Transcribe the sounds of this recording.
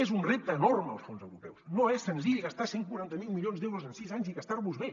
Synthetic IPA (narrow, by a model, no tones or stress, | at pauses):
ezunrep̚t̪əːnormə̰lˠsfonzə̰wɾupɛwsnoɛsːənziʎɣast̪aseŋkuɾant̪əmilˠmiʎonzd̪ewɾuzənsizaɲziɣast̪aɾrβuzβe